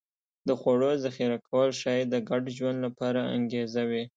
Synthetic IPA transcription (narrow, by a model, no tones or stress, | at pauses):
d̪əxwaɽozaxiɾakʰawəlʃɑjed̪əɡaɖʒwand̪lapɑɾaa̰ŋɡezawi